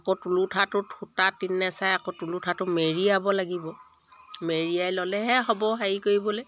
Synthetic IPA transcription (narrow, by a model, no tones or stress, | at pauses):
akotulutʰatʊtʰutatinːɛsajakotulutʰatʊmeɹiabɔlaɡibɔ | meɹiajlɔlɛɦɛɦɔbɔɦajikoɹibɔlɛ